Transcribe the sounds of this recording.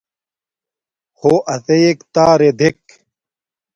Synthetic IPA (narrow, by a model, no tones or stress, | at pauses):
hoːʔɐsejekt̪aːɾed̪ʱek